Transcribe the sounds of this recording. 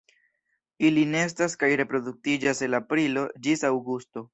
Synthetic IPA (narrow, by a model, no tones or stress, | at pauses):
iline̞s̬taskajɾe̞pɾo̞duk̚tid͡ʒase̞nlapɾilo̞d͡ʒisawɡusto̞